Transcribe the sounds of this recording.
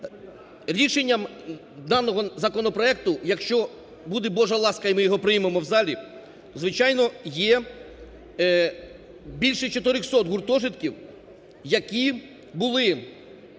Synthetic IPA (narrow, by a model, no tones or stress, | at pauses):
ɾʲiʃenʲːɐm | d̪ɑnːɔɦɔzɐkɔnɔpɾɔɛk̚t̪ʊjɐkʃt͡ʃɔ | bud̪ɛbɔʒɐlˠɑskɐimɪjɔɦɔpɾɪjmemɔwzɑlʲi | zʋɪt͡ʃɑjnɔjɛ | bʲilʲʃɛt͡ʃɔt̪ɪɾɪxsɔt̪ɦʊrt̪ɔʒɪt̪kʲiw | jɐkʲi | bʊlˠɪ